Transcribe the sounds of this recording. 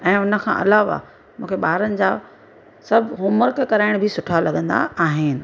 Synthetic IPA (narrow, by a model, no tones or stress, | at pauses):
ɛ̃ːʊnə̆kʰã̰ːʔɐlaːʋa̰ | mũːkʰeɓaːɾənɪ̆d͡ʑaː | sɐbʱɦʊməɾkkɐɾaːɪɽ̃bʱɪsʊʈʰalɐɠə̃nd̪a̰aːɦɪnɪ̆